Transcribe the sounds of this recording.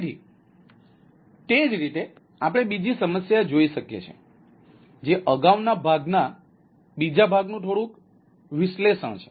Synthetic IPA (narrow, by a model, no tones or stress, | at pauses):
d͡ʒḭ | t̪ed͡ʒɾit̪e | ap̬ɽ̃ebid͡ʒisəməsjad͡ʒoiʃəkjḛt͡ʃʰḛ | d͡ʒeʔəɡaʋnabʱaɡna | bid͡ʒabʱaɡnũt̪ʰoɽũk | ʋɪʃleʃə̰ɽ̃t͡ʃʰe̥